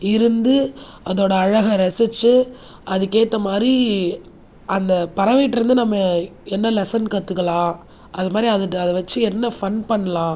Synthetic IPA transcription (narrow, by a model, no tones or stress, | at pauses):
ɪɾɯnd̪ɯ | ʔɐðoːɽɐːɻɐɣɐɾɐsɪt͡ʃːɯ | ʔɐðɯkeːt̪ːɐmaːd̪ɾi | ʔɐnd̪ɐpɐɾɐʋɐɪʈːɪɾɯnd̪ɯnɐmːɐɛnːɐlɛsɐnkɐt̪ːɯkːɐɭãː | ɐðɐmaːd̪ɾiɐðɯʈːɐðɐʋɐt͡ʃːɯɛnːɐfɐnpɐɳːɐlãː